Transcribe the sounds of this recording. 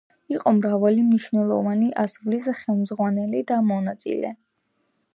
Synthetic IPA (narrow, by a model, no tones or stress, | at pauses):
iqʼɔmɾavalimniʃvnɛlˠɔ̰vaniʔasɾulisχɛlˠmzʁwanɛlid̪amɔnat̪sʼḭlɛ̰